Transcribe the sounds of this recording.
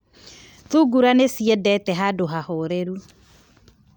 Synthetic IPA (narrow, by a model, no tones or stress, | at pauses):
θuɡuɾanesiɛdɛtɛɦadoɦahoɾeɾu